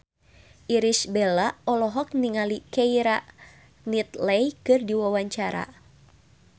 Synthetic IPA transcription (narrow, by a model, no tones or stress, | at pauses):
ʔiɾisbɛlaɔlɔɦɔk̚niŋalikɛjɾa | nit̪lɛjkɨrdiwawaɲt͡ʃaɾa̰